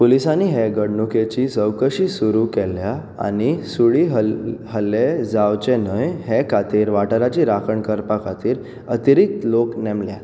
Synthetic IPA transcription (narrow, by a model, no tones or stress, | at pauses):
polisãnːiɦeɡəɽɳuket͡ɕisəwkəɕiːsuɾukɛlja | a̰ñisuɭiːɦəɦəlːed͡zawt͡ɕenəjɦekʰat̪iːɾʋaʈəɾat͡ɕiɾakʰəɳkəɾpakʰat̪iːɾ | ət̪iɾik̚t̪loknɛmlja